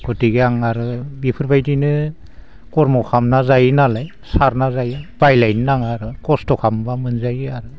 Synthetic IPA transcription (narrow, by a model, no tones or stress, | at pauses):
ɡɔtiɡeaŋaɾɯbipʰɯɾbajdinɯ | kɔɾmɔkʰamnazajnalaj | saɾnazajab̥ajlajnnaŋaɾɯkɔstɔkʰambamɯnzajaɾɯ